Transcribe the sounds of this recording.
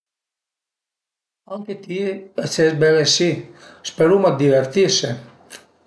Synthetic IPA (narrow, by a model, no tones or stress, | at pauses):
aŋket̪iɛsɛzbɛɾɛsispɛɾumad̪ivɛɾt̪isɛ